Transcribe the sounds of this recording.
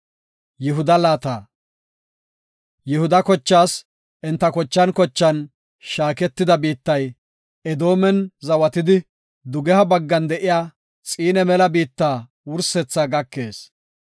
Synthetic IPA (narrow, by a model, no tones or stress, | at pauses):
jɪɦʊd̪ɐlaːt̪aː | jɪhʊd̪ɐkɔt͡ʃːaːs | ʔɪnt̪ːɐkɔt͡ʃːɐnkɔt͡ʃːɐn | ʃaːkɛt̪ːɪd̪ɐbiːt̪ːɐj | ɛd̪o̞ːmɛnzɐwɐt̪ɪd̪ɪ | d̪ʊɡɛhɐbɐɡːɐnd̪ɛʔɪjaː | t͡sʼiːnɛmɛlɐbiːt̪ːaː | wʊɾsɛt͡sːaɡɐkːe̞ːs